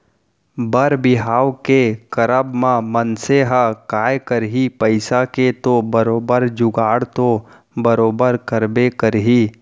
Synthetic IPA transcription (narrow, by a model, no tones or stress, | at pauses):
bəɾbɪɦaːwkekɐɾəbmãmənseɦakaːjkəɾɦipəɪsaket̪obəɾoːbəɾd͡ʒʊɡaːɽt̪o | bəɾoːbəɾkəɾbekəɾɦiː